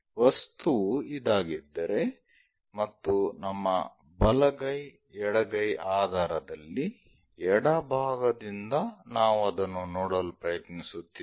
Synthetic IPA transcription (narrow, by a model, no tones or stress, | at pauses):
ʋɐst̪uid̪aːɡid̪ːɐɾe̞ | mɐt̪ːunɐmːɐ̰ | bɐlɐɡɐj | ɛɽɐɡɐjʔaːd̪ʱaːɾɐd̪ɐlːi | ɛɽɐbʱaːɡɐd̪ind̪ɐnaːʋuɐd̪ɐnːunoːɽɐlupɾɐjɐt̪nisut̪ːiː